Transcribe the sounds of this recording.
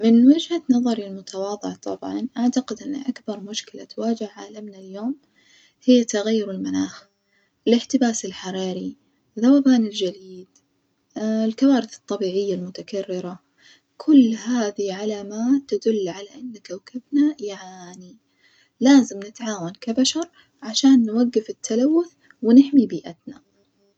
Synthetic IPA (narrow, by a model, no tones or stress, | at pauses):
mɪnwad͡ʒhanɑðˤɑɾilmʊt̪ʰawɑːðˤɨʕt̪ˤɑbʕɑ̰nʔaʕt̪aqɪd̪ʔɪnːa̰ʔakbɑɾˤmʊʃkɪla̰t̪waːd͡ʒɪhʕaːlamnaljoːm | hɪjːat̪aɣajːʊɾɪlmanaːx | ʔɪlɪħt̪ɪbaːsɪlħɑɾˤɑːɾi | ðawaːbaːnɪld͡ʒaliːd̪ | ɪlkawaːɾɪθɨ̥t̪ˤːɑbiːʕɪjːalmʊt̪akarːɪɾa | kʰʊlːhaːðiʕalaːmaːt̪ːad̪ʊlːʕalaʔɪnːkawkabnajaʕaːni | laːzɪmnɪt̪ʕaːwankabaʃɑɾˤ | ʕaʃaːnːwaɡːɪfɪt̪ʰːalawːʊθ | wɪnɪħmibiːʔat̪na